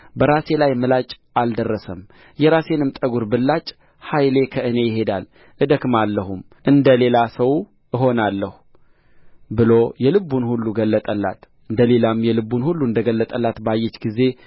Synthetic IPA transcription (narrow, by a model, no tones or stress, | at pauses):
bəɾase̞lajmɨlat͡ʃʼ | ald̪ərːəsəm | jɛɾase̞nɨmt̪ʼəɡuɾbɨlːat͡ʃʼ | hajle̞kʰəɨne̞jɪɦe̞d̪a̰l | ʔɨd̪əkmalːəɦum | ʔɨnd̪əle̞lasəw | əɦo̞nalːəhu | bɨlo̞jɛlɨbːunhulːuɡəlːət̪ʼəlːa̰t̪ | ɨnd̪əle̞lamjɛlɨbːunhulːuɨnd̪əɡəlːət̪ʼəlːat̪bajːɛt͡ʃɡize̞